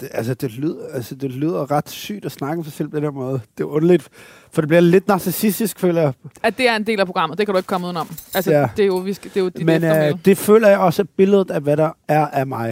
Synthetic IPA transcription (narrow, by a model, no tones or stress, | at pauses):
d̥eʔælsəd̥e̝lyð̰ˠɐælsəd̥e̝lyð̰ˠɐʁɑ̈d̥sy̰ːd̥ɒsnɑ̈ɡ̥əmsɑ̈ɪsel̰pʰɒ̥̽enheɐmɔ̽ːð̞̩ˠd̥e̝ɔ̽nɐlid̥ | fɒ̽d̥e̝b̥liɐle̝d̥nɑ̈sesisd̥isɡ̥fø̰ːlɐjɑ̈æd̥e̝æɐe̝nd̥e̝̰ːlæpʰʁo̝ɡ̥ɑ̈m̰ð̩ˠd̥ekʰædɾueɡ̥̚kʰɒ̽muð̰ˠn̩̰ˠɒ̽mælsəæd̥e̝joʋisd̥e̝jod̥mend̥e̝fø̰ːlɐjɑ̈ɪɒ̽səæb̥e̝ləð̞̩ˠæʋæɾɑ̈æɐʔæɐmɑ̈ɪ